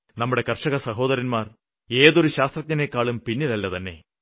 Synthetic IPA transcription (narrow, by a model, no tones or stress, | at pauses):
nɐmːuɽe̞kɐrʂɐɣɐsɐɦo̞ːðɐɾɐnmaːr | e̞ːðo̞ɾuɕaːst̪rɐk̚ɲɐnekːaːɭumpinːilɐlːɐt̪ɐnːe̞̰